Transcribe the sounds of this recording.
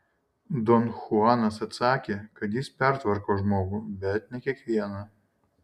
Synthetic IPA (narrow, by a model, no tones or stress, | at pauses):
d̪ɔnxʊɑnɐsɐt̪sɑːkʲekɐt̪jispʲɛɾt̪ʋɐɾkoʒmoːɡʊbʲɛt̪nʲɛkʲiɛkʋʲiɛnɐ